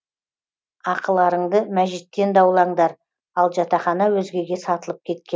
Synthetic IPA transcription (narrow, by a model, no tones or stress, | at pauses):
ɑqəlˠɑɾəɴd̪əmæʒit̪ːe̞nd̪ɑwlˠɑɴd̪ɑɾ | ɑlˠʒɑt̪ɑχɑnɑwɵzɡʲe̞ɡʲe̞sɑt̪əlˠəp̚kʲʰe̞t̪̚kʲen